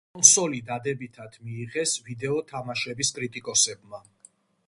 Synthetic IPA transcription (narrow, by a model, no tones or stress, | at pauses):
kʼɔnsɔlid̪ad̪ɛbit̪ʰad̪ʰmiːʁɛsvid̪ɛɔt̪ʰamaʃɛbiskʼɾit̪ʼikʼɔsɛb̚ma